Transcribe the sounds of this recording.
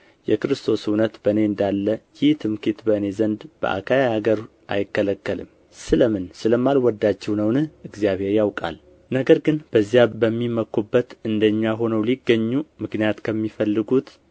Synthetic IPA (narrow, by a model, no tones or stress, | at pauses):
jɛkɨɾɨst̪ʰo̞sunət̪bəne̞ɨnd̪alːəjɪht̪ʰɨmkʰit̪bəne̞zənd̪b̥ə̰ʔa̰kʰajahaɡəɾ | ʔa̰jɪkːələkːəlɨ̰m | sɨləmɨnsɨləmːalwɔd̪ːat͡ʃːɛwnəwnɨhɨɡzijaβhe̞ɾjawkʼa̰l | nəɡəɾɡɨnb̥əzːjabəmːiməkʰːubːət̪ɨnd̪əɲːaɦo̞nəwliɡːəɲːumɨknijat̪kʰəmːifəlːɨɡut̪